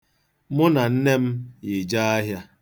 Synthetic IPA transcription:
mʊ˦na˨n̩˦ne˦m̩˦jɪ˨d͡ʒa˦a˦ɦja˦

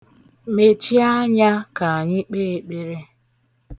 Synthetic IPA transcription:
me˨t͡ʃi˦a˦ɲa˦ka˨a˨ɲɪ˦k͡peː˦˨˦k͡pe˨ɾe˦

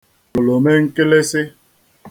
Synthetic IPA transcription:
o˨lo˨me˦ŋ̩˦ke˦le˦sɪ˦

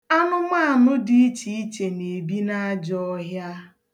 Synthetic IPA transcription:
a˦nʊ˦ma˦a˨nʊ˦di˦i˦t͡ʃi˨˦i˦t͡ʃe˨ne˨bi˦na˦d͡ʒɔ˦ɔ˦ɦja˦

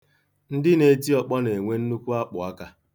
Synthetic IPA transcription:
n̩˦dɪ˦ne˨˦ti˦ɔ˨k͡pɔ˦ne˨ŋʷe˦n̩˦nu˦kʷu˦a˦k͡pʊ˨a˦ka˦

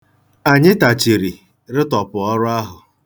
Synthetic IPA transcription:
a˨ɲɪ˦ta˨t͡ʃi˨ɾi˨ | ɾɪ˦tɔ˨pʊ˨ɔ˦ɾʊ˦a˦ɦʊ˨

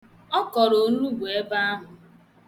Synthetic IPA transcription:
ɔ˦kɔ˨ɾo˨˦n˦u˦ɡʷe˨e˦ba˦a˦ɦʊ˨

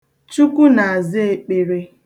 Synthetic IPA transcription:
t͡ʃu˦ku˦na˨a˨zɪ˦e˦k͡pe˨ɾe˦

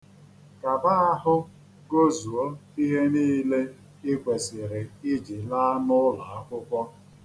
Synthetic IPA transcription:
ka˨ba˦a˦ɦʊ˦ | ɡo˦zu˨o˦i˦ɦe˦niː˦le˦ | ɪ˦ɡʷe˨sɪ˨ɾe˨ɪ˦d͡ʒi˨la˦a˦nʊ˦la˨a˦kʷʊ˦kʷɔ˦

